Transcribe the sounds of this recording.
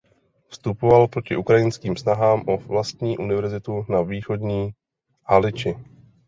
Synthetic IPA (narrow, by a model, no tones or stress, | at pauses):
fst̪upo̞valpɾo̞cɪʔukɾajɪnskiːmsnaɦaːmʔovlast̪ɲiːʔunɪvɛɾzɪt̪unaviːxo̞dɲiː | halɪt͡ʃɪ